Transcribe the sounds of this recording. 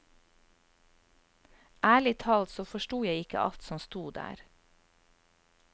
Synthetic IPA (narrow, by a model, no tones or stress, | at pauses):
ʔæːɭɪt̪ʰɑlt̪soːfɔʃʈuːjæɪɪkə̰ʔɑ̰lt̪sɔmst̪uːd̪æ̰ːɾ